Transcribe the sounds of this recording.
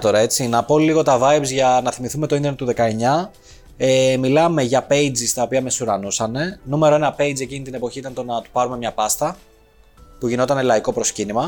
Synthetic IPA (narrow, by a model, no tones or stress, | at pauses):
t̪o̞ɾɐe̞t͡sinɐpo̞liɣo̞t̪ɐvɐjbzʝɐnɐθimiθume̞t̪oind̪enet̪uðe̞kɐe̞ɲɐ | emilɐme̞ʝɐpe̞jd͡zist̪ɐo̞piɐme̞suɾɐnusɐne̞nume̞ɾoe̞nɐpe̞jd͡ze̞cinit̪ine̞po̞çit̪ɐnt̪o̞nɐt̪u̥pɐɾume̞mɲɐpɐst̪ɐ | puʝino̞t̪ɐnelɐiko̞pɾo̞scinimɐ